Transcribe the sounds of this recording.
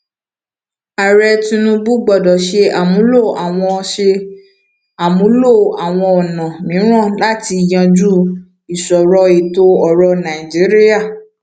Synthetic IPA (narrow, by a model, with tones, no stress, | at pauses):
a˨ɾɛ˧tĩ˧nũ˧bu˦ɡ͡bɔ˨dɔ˨ʃe˧a˨mũ˨˦lo˦˨a˨w̃ɔ̃˧ʃe˧ | a˨mũ˨˦lo˦˨a˨w̃ɔ̃˧ɔ˨nã˨mĩ˨˦ɾ̃ɔ̃˦˨la˦ti˧˨jã˧d͡ʒu˦ | i˨sɔ˨ɾɔ˧i˨to˧ɔ˨ɾɔ˧nã˨i˨d͡ʒi˨˦ɾi˦a˦˨